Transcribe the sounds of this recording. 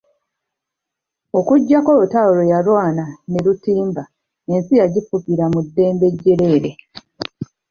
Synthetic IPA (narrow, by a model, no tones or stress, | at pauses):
o̞kuɟːakoutaolojalwaːnaneɾutiːmba | e̞nsijaɟifukiɾamudːe̞ːmbe̞ɟːe̞ɾe̞ːɾe